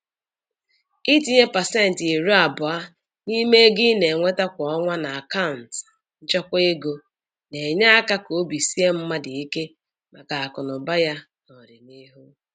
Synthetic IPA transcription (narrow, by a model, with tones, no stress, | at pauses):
i˦ti˦ɲe˦pa˨se˦˨n̩˨ti˨ɾu˦a˨bʊ˨a˦ | ni˦me˦ɡɪ˦ne˨ŋʷe˦ta˦kʷɔ˨ɔ˦ŋʷa˦na˨a˨ka˦ʊ˨n̩˨t | n̩˦t͡ʃɔ˦kʷe˦ɡo˨ | ne˨ɲa˦a˦ka˦ko˨˦bi˨si˦e˦m̩˦ma˦dɪ˨i˦ke˦ | ma˨ka˨a˨kʊ˨nʊ˨ba˦ja˦ | nɔ˨ɾɪ˨ni˦ɦu˦